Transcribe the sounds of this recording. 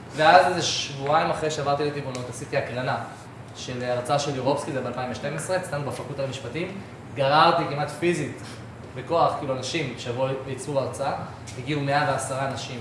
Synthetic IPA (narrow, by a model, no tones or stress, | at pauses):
veazeʃvuaimaχʁeʃeavaʁt̪ilet̪ivunot̪asit̪iaklana | ʃe̞leaʁt͡saaʃeliʁo̞pskizebealpaimveʃte̞mesʁe̞t͡stanubafakutalmiʃpatim | ɡaʁaʁt̪ikimat̪fizit | beko̞aχkiiluanaʃimʃeavuit͡suvaʁt͡saa | t̪iɡiume̞aveasaʁanaʃim